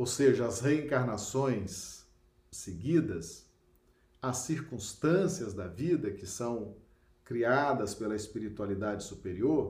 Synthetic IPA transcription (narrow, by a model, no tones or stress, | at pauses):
owseʒɐːsheẽŋkaɾnasõj̃sː | eɡid̪ɐs | ɐsːiɾkũst̪ɐ̃siɐzd̪ɐvid̪ɐkɪsɐ̃w̃ | kɾiad̪ɐspelɐespiɾit̪ualid̪ad͡ʒɪsupeɾioɾ